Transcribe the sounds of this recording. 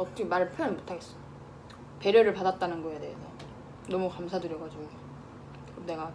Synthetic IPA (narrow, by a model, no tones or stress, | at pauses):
ʌt͈ʰʌkʰemaɾɯɭpʰjʌnmotʰaɡes͈ʌ̥ | pe̞ɾjʌɾɯɭpadat̚t͈anɯnɡʌedeesʰʌ | nʌmukamsʰadɯɾjʌɡad͡ʑiɡu | kɯmne̞ɡa